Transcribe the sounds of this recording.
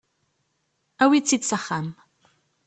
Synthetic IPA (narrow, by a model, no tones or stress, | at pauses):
awit͡sit̪saχam